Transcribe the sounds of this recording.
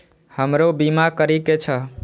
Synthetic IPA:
həmɾobimakəɾiket͡ʃʰə

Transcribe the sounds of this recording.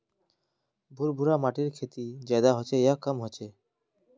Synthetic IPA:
bʱuɾbʱuɾamaʈiɾkʰet̪id͡ʑɛd̪aɦɔt͡ɕʰeejakamɦɔt͡ɕʰe

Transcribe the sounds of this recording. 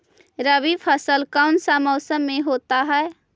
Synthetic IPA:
ɾəʋipʰəsəlkaʊnsamɔːsəmːẽɦoːt̪aɦɛː

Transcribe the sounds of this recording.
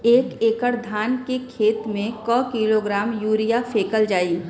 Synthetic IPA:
eːkeːkəɾd̪ʱaːnkekʰeːt̪mẽkɔːkiːloɡɾaːmjuːɾijafʰeːkəld͡ʒaːiː

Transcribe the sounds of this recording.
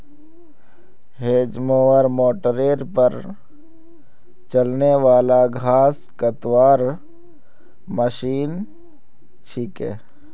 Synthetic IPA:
ɦeːd͡ʒmoːwəɾmoːʈəɾeːɾpəɾ | t͡ʃəlneʋaːlaɡʱaːs | kət̪waːɾ | məʃiːn | t͡ʃʰiːkɛ̰ː

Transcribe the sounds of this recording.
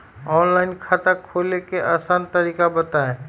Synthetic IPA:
ɔːnlaːɪnkʰat̪akʰoːlekeʔaːsant̪əɾiːkabət̪aẽ

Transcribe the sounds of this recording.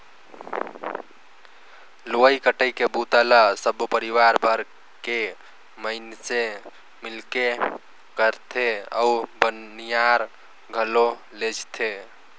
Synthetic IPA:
lojkəʈəjkebut̪ələsəbupəɾiwaɾbʱəɾ | ke | məɪnse | milke | kəɾt̪ʰeə̰ubənijaɾ | ɡʱəlo | led͡ʒt̪ʰe

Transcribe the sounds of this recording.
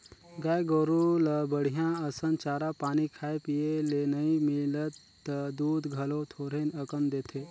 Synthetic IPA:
ɡaːjɡoɾuləbəɽ̤ijãəsənt͡ʃaːɾapaːnikʰaːepijelenəimilət̪ː | d̪uːd̪ɡʱɐlot̪ʰoːɾenəkənd̪eːt̪ʰe

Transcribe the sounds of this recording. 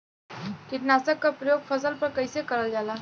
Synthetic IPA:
k̪iʈ̪nasəkːəpɾəjoɡfəsəlpəɾkəjsekəɾəld͡zala

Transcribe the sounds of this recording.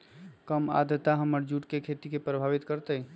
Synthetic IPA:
kəma̰d̪jət̪aɦəməɾd͡ʒuʈkekʰet̪ikepɾəbʱaʋit̪kəɾt̪ə

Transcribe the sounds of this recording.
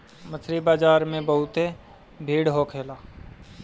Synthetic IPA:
mət̪ʰɾibaːd͡ʒaːɾmẽbəɦʊt̪e | bʱiːɽɦokʰeːlaː

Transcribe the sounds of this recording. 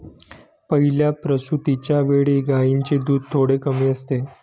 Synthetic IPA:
pəɦiljapɾəsut̪it͡ɕjaʋeɭiɡaint͡ɕed̪uːd̪̚t̪ʰoɽekəmiːəst̪e

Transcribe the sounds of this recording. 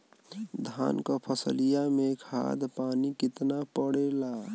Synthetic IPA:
d̪ʱa̰nkəpʰəsəlijamẽkʰa̰d̪paːnikɪt̪napəɽela

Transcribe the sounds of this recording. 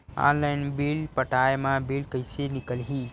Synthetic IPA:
ã̰nlaɪnbilpəʈaemãbilkəɪsenɪkəlɦi

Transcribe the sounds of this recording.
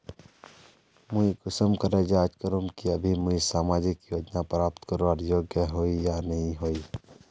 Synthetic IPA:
muikʊsəmkəɾed͡ʒaːt͡ʃkəɾũmkiəbʱimuisaːmaːd͡ʒɪkjoːd͡ʒnapɾaːp̚t̪kəɾoaɾjoːɡjəɦoːijanɐɦĩɦoːi

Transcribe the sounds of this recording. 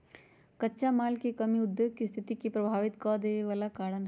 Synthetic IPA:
kɐtːʃamaːlkikɐmiʊd̪ːjoːɡ̚kist̪ʰɪt̪ikipɾɐbʱaːʋɪt̪kɔːd̪eːeʋaːlakaːɽənɦ

